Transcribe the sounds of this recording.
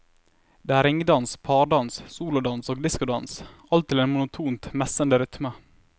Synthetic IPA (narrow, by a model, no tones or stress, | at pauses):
d̪̥eːæːɾɪŋd̪ɑnspʰɑːɾɖɑnssuːlʊd̪ɑnsoːɡd̪ɪskʊd̪ɑnsʔɑlt̪ʰːɪleːnmʊnʊt̪ʰuːnt̪mɛsənd̪əɾʏt̪mə